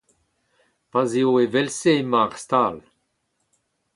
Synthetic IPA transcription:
pazeoevɛlseemaʁst̪al

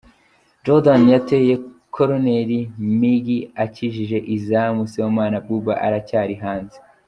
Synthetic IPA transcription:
d͡ʒodanjate̞je̞ | kʰoɾone̞ɾimiɡiaciʒiʒe̞ʔizamusiwomaːnab̚ɡubaʔa̰ɾacaːɾiɦaːnze

